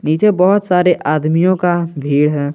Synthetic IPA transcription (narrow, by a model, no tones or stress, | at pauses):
niːt͡ʃebɔɦʊt̪saːɾeʔaːd̪mijõkabʱiːɽɦɛː